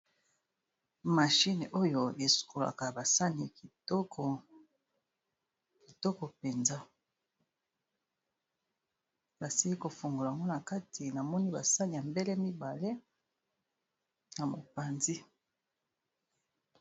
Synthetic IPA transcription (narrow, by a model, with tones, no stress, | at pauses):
ma˨ʃi˦n˨ʔo˦jo˨e˨su̥˨kʰo˨la̰˨ka˨ba˨sa˦ni˨i˨˦ | k | ki˨tɔ˦kɔ˨pe˨nza˦ | ba˨si˦i˦ko˨fu˨ŋɡo˨la˨ŋɡo˦na˨ka˦tʰi˨na˨mɔ˦ni˦ba˨sa˦ni˨ja˨mbe˦le˦mi˦ba˨le˦ | na˨mo˨pa˨nzi˦